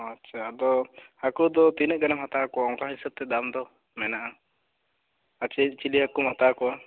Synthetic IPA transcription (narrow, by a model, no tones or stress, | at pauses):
atːt͡ʃʰaːd̪ɔhakud̪ɔt̪inəʔɡanamɦat̪akɔwaɔŋkaɦisəb̚t̪ɛd̪amd̪ɔ | mɛnaʔa | at͡ʃit͡ʃiliɦakumat̪akɔwa